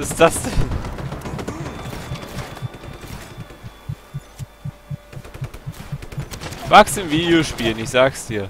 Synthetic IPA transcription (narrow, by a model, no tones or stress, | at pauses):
ɪsd̥asd̥ɛn | v̥aksɪmviːdjoʃpiːlnɪçz̥aːksd̥iːɐ